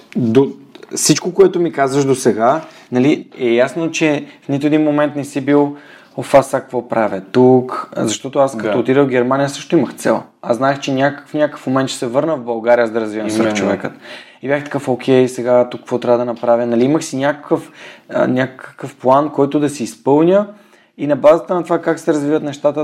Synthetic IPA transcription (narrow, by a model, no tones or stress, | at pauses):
d̪ofsit͡ʃkokoɛt̪ʊmikazvəʃd̪osɛɡa | nɐliɛjasnot͡ʃɛfnit̪ʊɛd̪inmomɛnt̪nɛsibilˠ | ofasak̚kvɔpɾavʲjət̪ukzɐʃt̪ɔt̪ʊaskɐt̪oʊt̪iɾəlɡʲɛɾmanʲijəsɤʃt̪oiməxt̪sɛ̰lˠ | a̰znaɛxt͡ʃɛnʲakəfnʲakəkə̥fmomɛnt̪ʃɛ̥sɛvɤɾnəvbɐlˠɡaɾijəzd̪ɐɾɐzvivɐmvəɾxt͡ʃovɛkət̪ibjaxt̪ɐ̥kəfokʰɛjsɛɡat̪ukːəkvot̪ɾʲavəd̪ɐənɐpɾavʲjənɐliiməxsinʲakə̥kəfnʲakkkəfplˠankɔjt̪ʊd̪ɐsiːspɤlˠnʲə | inɐbazət̪ənɐt̪ovakaksɛɾɐzvivət̪nɛʃt̪at̪ə